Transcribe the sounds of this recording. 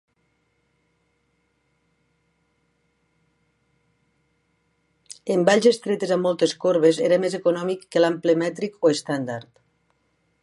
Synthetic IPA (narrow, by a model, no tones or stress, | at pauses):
embaʎzest̪ɾet̪ezamːɔlˠt̪eskoɾβezeɾamezekunɔmikːəlamplemɛt̪ɾikoest̪and̪aɾt̪